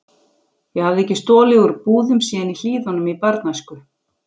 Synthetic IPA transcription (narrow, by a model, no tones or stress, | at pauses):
jɛɣhavðɪɛhcːɪst̪ɔːlɛɣʏɾpuːðʏmsiːnil̥iːðɔnʏmipaɾt̪najskʏ